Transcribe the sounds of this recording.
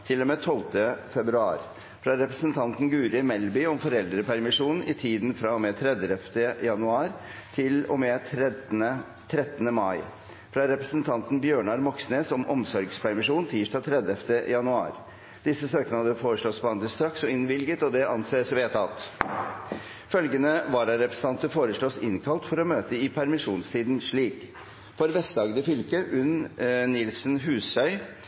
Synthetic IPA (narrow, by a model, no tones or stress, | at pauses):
t̪ʰɪlomɛːt̪ʰɔlt̪əfɛbɾʉɑ̰ːɾ | fɾɑɾɛpɾəsənt̪ʰɑnt̪n̩ɡʉːɾɪmɛlbʏɔmfɔɾɛld̪ɾəpʰæɾmɪʂuːnn̩ɪt̪ʰiːd̪n̩fɾɑmɛt̪ʰɾɛd̪əɛft̪əjɑnʉɑːɾt̪ʰɪlɔ̰mɛt̪ʰɾə | t̪ʰɾɛt̪ːənəmɑɪ | fɾɑɾɛpɾəsənt̪ʰɑnt̪n̩bjøːɳɑɾmɔksneːsɔmʔɔmsɔɾɡspʰæɾmɪʂuːnt̪ʰiːʂʈɑːt̪ʰɾɛd̪əɛft̪əjɑnʉɑ̰ːɾ | d̪ɪsːəsøːkənɑd̪əfoːɾəʂɭɔspɔɑnd̪əst̪ɾɑksɔɪnʋɪlɡət̪ɔd̪ɛʔɑnseːsʋeːt̪ɑlt̪ | fœlɡənəʋɑːɾɑɾɛpɾəsn̩ʰɑnt̪əfoːɾəʂɭɔsɪnkʰɑlt̪fɔɾɔmøːt̪əɪpʰæɾmɪʂuːnst̪ʰiːd̪nʂɭiːk | fɔɾʋɛst̪d̪ɑːɡd̪əfʏlkəʔʉnnɪlsnɦʉːsœʏ